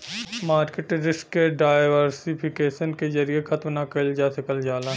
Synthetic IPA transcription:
maːɾkeʈɾɪskːeɖaːɪʋəɾsɪpʰɪkeːʃənkezɐɾiexɐt̪mnakɐld͡ʒaːsɐkɐld͡ʒaːla

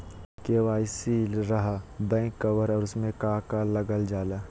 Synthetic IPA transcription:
keːʋaːɪsiɾɐɦbɛ̃ːkːɐʋəɾɔːɾʊsmẽkaːkalɐɡəld͡ʒaːlaː

